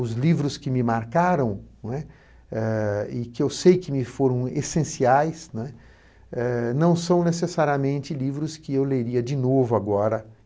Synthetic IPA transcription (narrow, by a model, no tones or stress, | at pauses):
ʊzlivɾʊskɪmɪmaɾkaɾɐ̃w̃nwɛ | ɛɪkɪewsejkɪmɪfoɾɐ̃w̃esẽsiajsnw̃ɛ | ɛnɐ̃w̃sɐ̃w̃nesesaɾiɐmẽnt͡ʃɪlivɾʊskɪewleɾiɐd͡ʒɪnovʊaɡɔɾɐ